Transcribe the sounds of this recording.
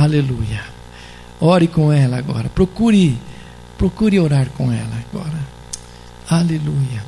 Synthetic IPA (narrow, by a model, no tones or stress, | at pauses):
alelujɐ | ɔɾɪkõɛlɐːɡɔ̰ɾɐpɾokuɾɪ | pɾokuɾɪoɾaɾkõɛ̰lɐɡɔ̰ɾɐ | alelujɐ